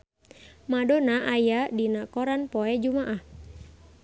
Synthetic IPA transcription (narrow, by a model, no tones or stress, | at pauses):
madɔnaʔajadinakɔɾanpɔɛd͡ʒumaʔah